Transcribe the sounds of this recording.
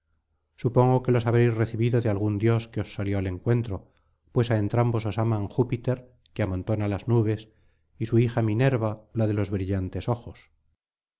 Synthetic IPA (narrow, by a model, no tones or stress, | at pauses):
supo̞ŋɡoke̞lo̞saβe̞jsre̞θiβiðoðealɣ̞und̪jo̞skeosːaljoale̞ŋkwe̞nt̪ɾo̞ | pwe̞saent̪ɾambo̞so̞samaŋxupit̪e̞ɾ | keamõnt̪o̞nalaznuβ̞e̞s | isuixamine̞ɾβalaðelo̞zβɾiʎant̪e̞so̞xo̞s